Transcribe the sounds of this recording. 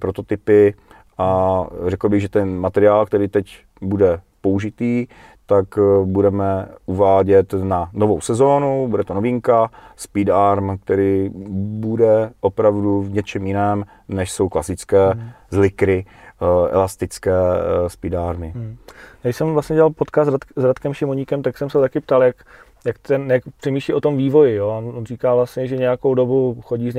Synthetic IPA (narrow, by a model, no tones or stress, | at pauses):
pɾot̪o̞t̪ɪpɪ | ʔarɛkl̩bɪɣʒɛt̪ɛnmat̪ɛɾɪaːlkt̪ɛɾiːt̪ɛc | budɛ | pouʒɪt̪iː | t̪akbudɛmɛʔuvaːɟɛt̪nanovowsɛzo̞ːnubudɛt̪onovɪŋkaspidaɾmk̚t̪ɛɾiːbudɛʔo̞pɾavduvɲɛt͡ʃɛmjɪnɛːm | nɛʃso̞wklasɪt͡skɛːzlɪkɾɪ | ɛ̰last̪ɪt͡skɛːspɪdaːɾmɪjaːɡɪsɛmvlasɲɛɟɛlalpot̪kasazɾat̪kɛmʃɪmoɲiːkɛmt̪aksɛmsɛt̪akɪp̚t̪aljak | jakt̪ɛnjakpr̝̥ɛmiːʃliʔo̞t̪o̞mviːvo̞jɪjoononriːkaːvlast̪ɲɛʒɛɲɛjako̞wdobuxoɟiːzɲ